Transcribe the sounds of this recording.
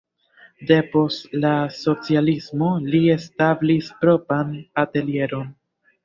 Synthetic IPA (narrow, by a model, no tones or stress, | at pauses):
de̞po̞stlaso̞t͡sialismo̞lie̞stablispɾo̞panate̞lie̞ɾo̞n